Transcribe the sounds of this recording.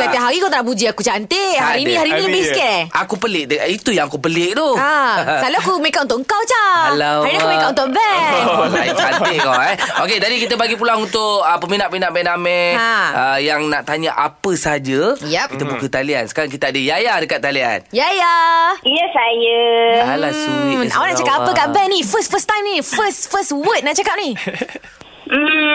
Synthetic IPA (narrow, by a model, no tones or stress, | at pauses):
taeʔɦaɾikawt̪anaʔbud͡ʒiakut͡ʃant̪ehaɾinĩhaɾiniləbɪskɛʔɛakupəlɪʔ̚dəit̪ujaŋakupəlɪʔt̪ɔasaloakumekatunt̪ʊʔŋkawt͡ʃaalawaɾinikkmekat̪unt̪ʊʔbɛ | t͡ʃaɪkawɛoket̪adikit̪əbaɡipulaŋunt̪ʊʔəpəminaʔpinaʔbɛnamɛaəjaŋnaʔt̪aɲəʔa̰pəsəad͡ʒəjɛkit̪əbukət̪aliansə̥kaɾaŋk̬it̪aadəjajadəkat̪ːalia̰njajajəsajəalasia̰wanaʔt͡ʃakap̚apəkaʔbɛnĩfəsfəst̪ãjmnifəsfəswət̪̚naʔt͡ʃakap̚ni | m̩